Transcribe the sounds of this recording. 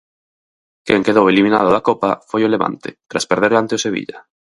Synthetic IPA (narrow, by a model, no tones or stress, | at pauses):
kɛ̰ŋkeð̞owelimĩnað̞ʊðakɔpa̰fojʊleβa̰nt̪ɪ̰t̪ɾaspeɾðeɾlant̪eʊseβ̞ḭʎɐ